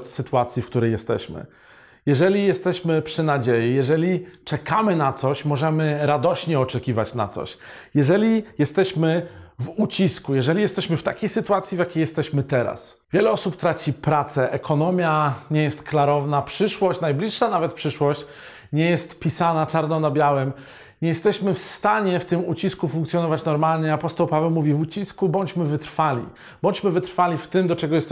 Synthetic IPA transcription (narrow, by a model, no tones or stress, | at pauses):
t͡ɕsɘt̪uat̪sʲjifkt̪uɾɛjɛst̪ɛ̰ɕmɘ̰ | jɛʐɛlʲijɛst̪ɛɕmɘpʂɘnad͡ʑejijɛʐɛlʲit͡ʂɛkamɘnat̪sɔɕmɔʐɛmɘɾad̪ɔɕɲɛɔt͡ʂɛkʲivat͡ɕna̰t̪sɔ̰ɕ | jɛʐɛlʲijɛst̪ɛɕmɘvut͡ɕiskujɛʐɛlʲijɛst̪ɛɕmɘft̪akʲejsɘt̪uwat̪sʲjivʲjakʲejɛst̪ɛɕmɘt̪ɛɾa̰s | vʲjɛlɛɔsupt̪ɾat͡ɕipɾat̪sɛʔɛkʰɔnɔmʲjaɲɛjɛst̪klaɾɔvnapʂɘʂwɔɕt͡ɕnajblʲiʂːanavɛt̪̚pʂɘʂwɔɕt͡ɕ | ɲɛjɛst̪pʲisanat͡ʂaɾnɔnabʲjawɛm | ɲɛjɛst̪ɛɕmɘfst̪aɲɛft̪ɘmut͡ɕiskufuŋkt̪sʲjɔnɔvat͡ɕnɔɾmalɲɛapɔst̪ɔwpavɛwmuvʲivut͡ɕiskubɔɲt͡ɕmɘvɘt̪ɾfalʲḭ | b̥ɔɲt͡ɕmɘvɘt̪ɾfalʲift̪ɘmd̪ɔt͡ʂɛɡɔjɛst̪